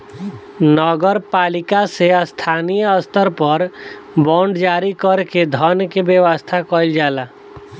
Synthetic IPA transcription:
nɔːɡəɾpaːlɪkasest̪ʰaːnijəəst̪əɾpəɾbɔ̃ːɳɖd͡ʒaːɾikəɾked̪ʱɔnkebjəʋəst̪ʰakɔɪld͡ʒaːlaː

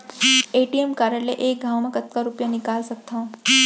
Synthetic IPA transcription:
eʈiemkaɾəɭləʔek̚ɡʱawmãkət̪kaɾupjanikalsək̚t̪ʰa

